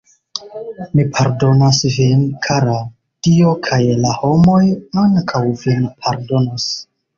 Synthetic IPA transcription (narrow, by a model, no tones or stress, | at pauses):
mipʰaɾdo̞nasvinkʰaɾa | tio̞kʰajlaho̞mo̞jaŋkʰawvinpʰaɾdo̞nas